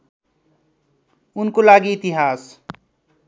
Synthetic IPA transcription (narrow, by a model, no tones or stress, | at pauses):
unkolaɡiːt̪iɦas